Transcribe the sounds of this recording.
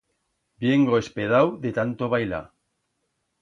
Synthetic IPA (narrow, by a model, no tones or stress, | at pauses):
bjeŋɡoespeðawðet̪ant̪oβajla̰